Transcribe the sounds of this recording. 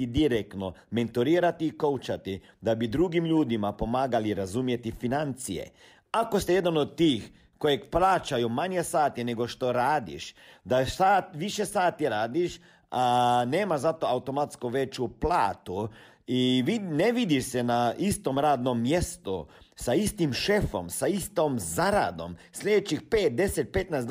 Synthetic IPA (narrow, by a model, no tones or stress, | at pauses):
id̪iɾekt̪noment̪uɾiːɾat̪iːkowt͡ʃat̪i | d̪abid̪ɾuɡimʎuːd̪imapo̞maːɡaliɾazumjet̪ifinant̪sijḛ | akost̪ɛjed̪anod̪t̪ːiːx | kojekplaːt͡ʃajumaɲjesaːt̪ineɡoʃt̪oɾaːd̪ḭʃd̪asaːt̪ʋiʃesaːt̪iɾaːd̪iʃ | aneːmaʒzat̪o̞aut̪o̞mat̪skuʋet͡ʃuplaːt̪u | iʋineʋid̪iʃsenaist̪o̞mɾaːd̪nomːjest̪usaist̪imʃefo̰msaist̪omzaɾa̰d̪o̞̰msʎʲed̪et͡ʃixpeːt̪̚d̪e̞set̪̚pe̞t̪najsd̪